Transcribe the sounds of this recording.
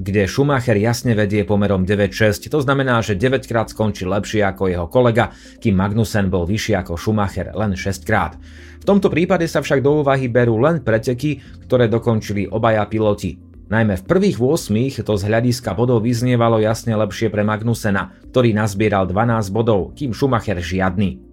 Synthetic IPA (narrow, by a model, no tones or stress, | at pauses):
ɡɟɛʃumaxɛɾjasɲɛʋɛɟɪɛpɔmɛɾɔmɟɛʋɛcʃɛsct̪ɔznamɛnaːʒɛɟɛʋɛckɾaːt̪skɔnt͡ʃilɛpʃɪɛakɔjɛɦɔkɔlɛɡa | kiːmːaɡnusɛnbɔlʋiʃiakɔʃumaxɛ̰ɾlɛnʃɛsckɾa̰ːt̪ | ft̪ɔmt̪ɔpɾiːpaɟɛsafʃaɡ̚d̪ɔuːʋaɦibɛɾuːlɛnpɾɛcɛki | kt̪ɔɾɛːd̪ɔkɔnt͡ʃiliʔɔbajapilɔci | najmɛfpr̩ʋiːɣʋʊɔsmiːxt̪ɔzɦlʎaɟiskabɔd̪ɔʊʋizɲɪɛʋalɔjasɲɛlɛpʃɪɛpɾɛmaɡnusɛnak̚t̪ɔɾiːnazbɪɛɾald̪ʋanaːzɟbɔd̪ɔʊkiːmʃumaxɛɾʒɪad̪̚ni